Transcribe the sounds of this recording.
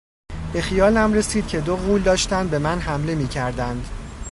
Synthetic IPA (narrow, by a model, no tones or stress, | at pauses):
b̥e̞xijɒːlæmre̞siːd̪̚cʰe̞d̪oɣuːld̪ɒːʃt̪ænd̪̚be̞mænɦæmle̞miːcʰæɾd̪ænd̪